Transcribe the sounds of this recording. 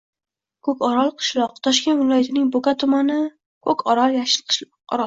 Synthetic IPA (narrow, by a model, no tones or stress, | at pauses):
kʰɵkʲɒɾɒlˠqʰɨ̥ʃlˠɒq̚t̪ʰɒʃkʲe̞nvɪlɒjat̪ʰɪnɪŋbokat̪ʰʊmanɪ | kʰɵkʲʰɒɾɒlˠjaʃɪqʰʃ | ɒ̰ɾ